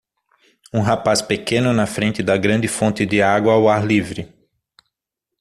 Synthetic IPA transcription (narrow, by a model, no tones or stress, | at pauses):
ũɦapaspekẽnʊnɐfɾẽnt̪ɪd̪ɐɡɾɐ̃nd̪ɪfõnt̪ɪd̪ɪaɡwɐawaɾlivɾɪ